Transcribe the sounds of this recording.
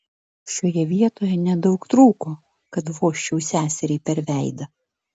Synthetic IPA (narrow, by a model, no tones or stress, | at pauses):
ʃoːjɛʋʲiɛt̪oːjɛnʲɛd̪ɒʊkt̪ɾuːkoː | kɐt̪ʋoːʃʲt͡ʃʲɛʊsʲæːsʲɛɾʲɛɪpʲɛɾʲʋʲæˑɪd̪ɐ